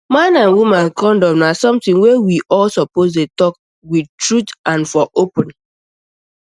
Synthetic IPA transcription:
mãnãnwumãnkʰɔ̃ndɔ̃mnasɔ̃mtĩŋwewiʔɔlsɔpozdetɔk̚ | wid̚tɹutʔãnfɔʔopə̃n

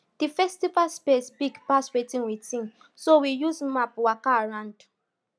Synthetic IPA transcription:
d̥ifɛstivaspesbiɡpaswetĩŋwitĩŋ | sowijuzmapwakaɹãnd

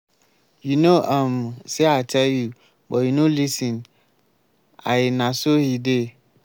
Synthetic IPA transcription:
junoʔãmseatʰɛlju | bɔjunolisĩn | a̰jenãsohide

